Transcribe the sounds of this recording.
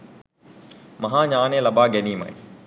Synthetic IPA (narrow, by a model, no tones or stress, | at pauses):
mɐɦãːɲaːnẽːlɐɓaːɡeniːma̰ːĩ